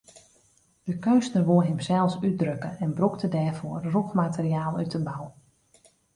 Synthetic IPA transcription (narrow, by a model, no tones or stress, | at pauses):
d̥əkøɥsnərʋoəɦɪmsɛlˠsyt̚drøkəɛnbruktədɛːrvoərrukmatərijaːlˠytəbaw